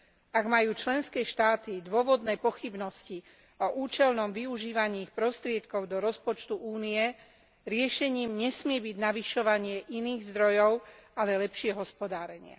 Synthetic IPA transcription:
aɡmajuːt͡ʃlɛnskɛːʃt̪aːt̪id̪ʊɔʋɔd̪nɛːpɔxibnɔsci | ɔʔuːt͡ʃɛlnɔmʋiuʒiːʋaɲiːxpɾɔst̪ɾɪɛt̪kɔʊd̪ɔɾɔspɔt͡ʃt̪uʔuːnijɛ | ɾɪɛʃɛɲiːmɲɛsmɪɛbiɟnaʋiʃɔʋaɲɪɛʔiniːɣzd̪ɾɔjɔʊalɛlɛpʃɪɛɦɔspɔd̪aːɾɛɲɪɛ̰

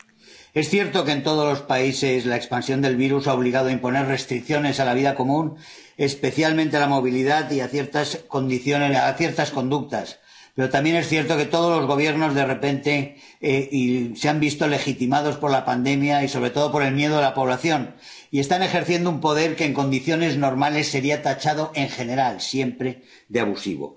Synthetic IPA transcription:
e̞sθje̞ɾt̪o̞kent̪o̞ð̞o̞zlo̞spaise̞slaekspansjo̞nd̪e̞lβiɾusao̞β̞liɣaðoaimpo̞ne̞re̞st̪ɾikθjo̞ne̞salaβ̞iðako̞mũn | e̞spe̞θjalmẽnt̪e̞alamo̞β̞iliðaðiaθje̞ɾt̪asko̞nd̪iθjo̞neθje̞ɾt̪asko̞nd̪uk̚t̪as | pe̞ɾo̞t̪ambje̞ne̞sθje̞ɾt̪o̞ke̞t̪o̞ð̞o̞zlo̞zɣ̞o̞β̞je̞ɾno̞zðe̞re̞pe̞nt̪e̞ | iseambist̪o̞le̞xit̪imað̞o̞spo̞ɾlapand̪e̞mjaiso̞βɾe̞t̪o̞ð̞o̞po̞ɾe̞lmje̞ð̞o̞ðelapo̞β̞laθjo̞n | ie̞st̪ane̞xe̞ɾθje̞nd̪oumpo̞ðe̞ɾke̞ːŋko̞nd̪iθjo̞ne̞zno̞ɾmale̞sːe̞ɾiat̪at͡ʃaðo̞ʔe̞ŋχe̞ne̞ɾalsje̞mpɾe̞ | d̪eaβusḭβo̰

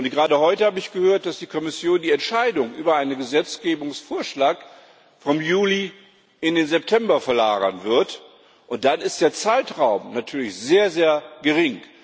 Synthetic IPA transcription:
ʔʊntɡ̥əʁaːdəhɔʏtəhaːbəɪçɡ̥əhøːɐt̚d̥asd̥iːkʰɔmɪsjoːndiːɛntʃaɪdʊŋʔyːbɐʔaɪnənɡəzɛt͡sɡ̥eːbʊŋsfoːɐʃlaːk | fɔmjuːli | ʔɪndeːnzɛp̚tʰɛmbɐfɛɐlaːɡɐ̰nvɪɐt | ʔʊnt̚d̥anɪst̚d̥eːɐt͡saɪtʁaʊmnatʰyːɐlɪçz̥eːɐzeːɐɡəʁɪŋ

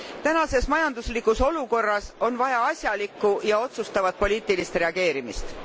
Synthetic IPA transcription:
t̪ænɑse̞smɑjɑnd̪uslikːˑuso̞luko̞rːɑso̞nvɑjɑɑsʲjɑlikːˑujɑo̞t̪sust̪ɑvɑt̪̚po̞lʲiːt̪ˑilist̪re̞ɑɡ̥e̞ːɾimist̪

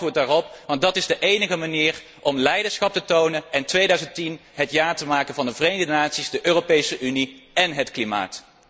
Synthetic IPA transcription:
ʋʊːɹtdaːrɔpʋɑntdɑtɪzdəʔejnəɣəmaniːr | ʔɔmlɛjdəsχɑp̚tətownənɛntʋejdœɥzəntinɦətjaːɹtəmaːkənvɑndəvrejmdənaːtsizdəʔøːropejsəʔyniɛnɦətklima̰ːt

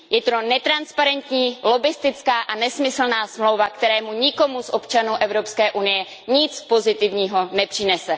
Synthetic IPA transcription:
jɛt̪ɾonɛt̪ɾanspaɾɛnt̪ɲiːlo̞bɪst̪ɪt͡skaːʔanɛsmɪsl̩naːsmlo̞wvakt̪ɛɾɛːmuɲɪko̞musʔo̞pt͡ʃanuːʔɛvɾo̞pskɛːʔunɪjɛ | ɲɪt͡spo̞zɪt̪ɪvɲiːɦo̞nɛpr̝̥ɪnɛsɛ

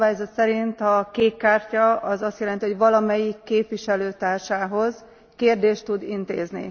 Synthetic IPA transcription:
vaːjzɒt̪sɛɾint̪ɒkeːkːaːrcɒɒzɒst̪jɛlɛnt̪iɦoɟʋɒlɒmɛjikːeːpʋiʃɛløːt̪aːrʃaːɦo̞z | keːrd̪eːʃt̪ːud̪int̪ḛːznḭ

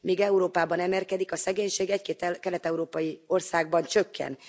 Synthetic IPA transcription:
miːɡɛuɾoːpaːbɒnɛmɛlkɛd̪ikɒsɛɡeːɲʃeːɡɛckeːt̪kɛlɛt̪ɛuɾoːpɒjio̞rsaːɡbɒnt͡ʃø̞kʰːɛ̰n

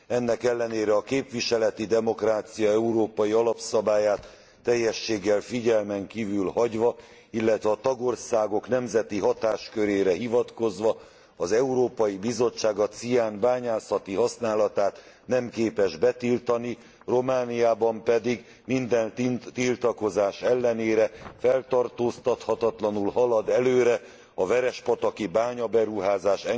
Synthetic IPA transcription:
ɛnːɛkɛlːɛneːɾɛɒkeːpʋiʃɛlɛt̪id̪ɛmo̞kraːt̪sijɒɛuɾoːpɒjiɒlɒpsɒbaːjaːt̪ː | ɛjːɛʃːeːɡːɛlfiɟɛlmɛŋkiːvylhɒɟʋɒ | ilːɛt̪ʋɛːt̪ɒɡo̞rsaːɡo̞kn̪ɛmzɛt̪iɦɒt̪aːʃkø̞ɾeːɾɛɦivɒt̪ko̞zʋɒ | ɒzɛuɾoːpɒjibizo̞t͡ʃːaːɡɒt̪sijaːnbaːɲaːsɒt̪iɦɒsnaːlɒt̪aːt̪ | nɛmkeːpɛʒbɛt̪ilt̪ɒni | ro̞maːnijaːbɒmpɛd̪iɡ | mind̪ɛnt̪ilt̪ɒko̞zaːʃɛlːɛneːɾɛfɛlt̪ɒrt̪oːst̪ɒt̪hɒt̪ɒt̪lɒnulɦɒlɒd̪ɛløːɾɛ | ɒvɛɾɛʃpɒt̪ɒkibaːɲɒbɛɾuɦaːzaːʃɛ

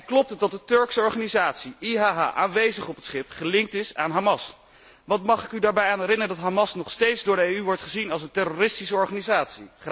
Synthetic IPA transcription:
klɔp̚tədɑt̚dətɵɹksəɔɹχaːnizaːtsiiɦaːɦa̰ːʔaːnʋejzəχɔpətsχɪpχəlɪŋk̚tɪsaːnɦamɑs | ʋɑtmɑχɪkydaːɹbɛjaːnɦɛɾɪnəədɑtɦamɑsnɔχstejtzdʊːɹdəejyʋɔɹtχəzinɑlˠsəntɛrorɪstisəɔɹχanizaːtsiχ

